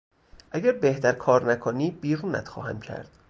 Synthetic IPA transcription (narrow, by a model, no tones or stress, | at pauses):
ʔæɟæɾbe̞ht̪æɾkʰɒːɾnækʰoniːbiːɾuːnæ̰t̪xɒ̰ːhæ̰mcʰæ̰ɾd̪̥